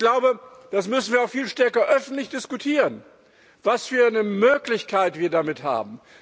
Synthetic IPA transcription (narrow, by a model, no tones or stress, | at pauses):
ɡ̥laʊbəd̥asmʏsn̩viɐaʊxfiːlʃtɛɐkɐʔœfn̩tlɪçd̥ɪskutʰiːʁən | vasfyːɐnəmøːklɪçkʰaɪtv̥iːɐdamɪtha̰ːb̚m̩